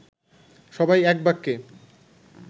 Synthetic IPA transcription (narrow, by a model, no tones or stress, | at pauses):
ʃɔbajɛk̚bakːe